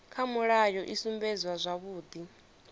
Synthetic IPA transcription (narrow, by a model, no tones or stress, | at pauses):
kʰamuɺajɔʔisumbɛzwazʷaβuːd̪i